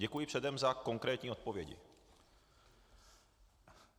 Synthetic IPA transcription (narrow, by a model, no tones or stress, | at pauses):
ɟɛkujɪpr̝̥ɛdɛmzako̞ŋkɾɛːt̪ɲiːo̞t̪̚povjɛɟɪ̰